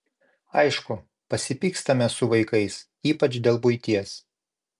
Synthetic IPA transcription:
ɐɪʃkʊ | pɐsʲɪpʲiːkst̪ɐmʲɛsʊʋɐɪkɐɪs | iːpɐt͡ʃʲd̪ʲeːlˠbʊɪt̪ʲiɛs

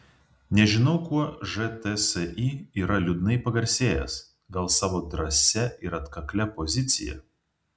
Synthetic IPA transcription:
nʲɛʒʲɪnɐʊkuɔʒɛt̪ɛsɛʔiiːɾɐlʲʊd̪nɐɪpɐɡɐɾʲsʲeːjɛ̰s | ɡɐlˠsɑːʋoːd̪ɾɐsʲɛɪɾɐt̪kɐklʲɛpɔzʲɪt̪sʲɪ̰jɛ̰

